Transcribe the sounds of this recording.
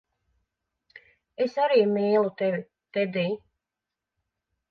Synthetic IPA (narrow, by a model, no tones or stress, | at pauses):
esaɾiːmiːlˠut̪ɛvi | t̪ɛd̪iː